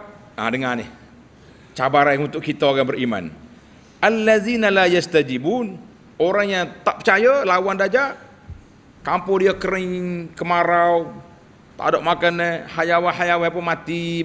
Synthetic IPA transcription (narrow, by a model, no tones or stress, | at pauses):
a̰dəŋanɪ̰h | t͡ʃabaɾaŋunt̪ʊʔkit̪aaɡaŋbəɾima̰n | ʔalːaðinalajast̪ad͡ʒibun | oɾaŋjaŋt̪aʔpə̥t͡ʃajalawandad͡ʒa | kampʊdiəkəɾɪŋkəmaɾaw | t̪a̰doʔmakanəhajawaɦajawapəmat̪i